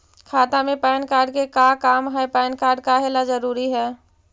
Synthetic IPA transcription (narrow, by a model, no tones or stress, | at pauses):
kʰaːt̪amẽpɛːnkaːɾɖ̚kekakaːmɦɛpɛːnkaːɾɖ̚kaɦeːlazəɾuːɾiɦɛː